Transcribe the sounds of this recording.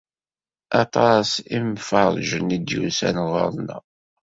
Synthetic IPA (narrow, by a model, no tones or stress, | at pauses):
ɑt̪ˤɑsimfəɾˤʒənid̪jṵsæ̰nʁə̰ɾˤnæ̰